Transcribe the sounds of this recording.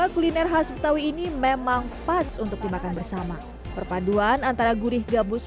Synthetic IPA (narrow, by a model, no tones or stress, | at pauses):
akulinɛrɦasbət̪awiːnimemaŋpasunt̪ʊk̚dimakanbərsama | pərpaduanant̪aɾaɡuɾɪhɡabʊs